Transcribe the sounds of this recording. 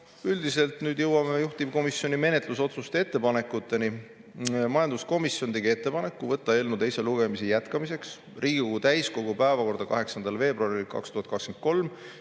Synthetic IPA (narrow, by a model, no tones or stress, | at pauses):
yld̪ise̞lt̪ˑnyːd̪jɤwːɑmeejuht̪ib̥ko̞misjo̞nime̞net̪ˑluso̞t̪sust̪ee̞t̪ːe̞pɑne̞kːˑut̪ˑːe̞ni | mɑjɑnd̪̥usko̞misjo̞nt̪e̞ɡie̞t̪ːe̞pɑne̞kːˑuvɤt̪ˑːɑe̞lnut̪e̞jseluɡe̞misijæt̪kɑmise̞ks | rʔiːɡ̥iko̞ɡ̥ut̪æjsko̞ɡ̥upæevɑko̞rɾd̪̥ɑkɑɦe̞ksɑnd̪̥ɑlve̞ːbɾuɑɾilkɑ̰kst̪uhɑt̪kɑkskenko̞lm